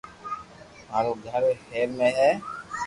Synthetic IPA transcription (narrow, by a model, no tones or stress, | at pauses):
aːɾuːɡʱəɾheːɾmẽːɦɛː